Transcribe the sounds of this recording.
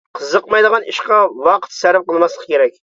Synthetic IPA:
qʰəzəqmɑjd̪əʁɑniʃqɑwɑqʰə̥t̪sæɾɪp̚qəlˠmɑslˠə̥qkʲeɾɛk̚ʲ

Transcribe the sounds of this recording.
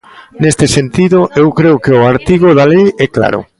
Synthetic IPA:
nest̪esent̪iðʊʔewkɾeʊkeʊaɾt̪iɣoðalejɛkla̰ɾʊ̰

